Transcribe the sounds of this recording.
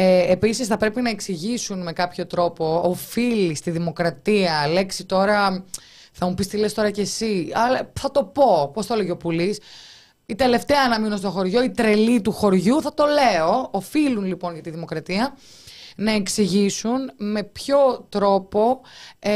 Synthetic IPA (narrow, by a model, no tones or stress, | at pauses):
eːpisisθɐpɾe̞pinɐe̞ksiʝisunme̞kɐpço̞t̪ɾo̞po̞ːfilist̪iðimo̞kɾɐt̪iɐle̞ksit̪o̞ɾɐ | θɐmupist̪ile̞st̪o̞ɾɐce̞siɐlɐθɐt̪o̞po̞post̪ɐleʝeopulis | it̪e̞le̞ft̪eɐːnɐmino̞st̪o̞xo̞ɾʝo̞it̪ɾe̞lit̪uxo̞ɾʝuθɐt̪o̞le̞o̞ːfilunlipo̞nʝɐt̪iðimo̞kɾɐt̪iɐ | nɐe̞ksiʝisunme̞pço̞t̪ɾo̞po̞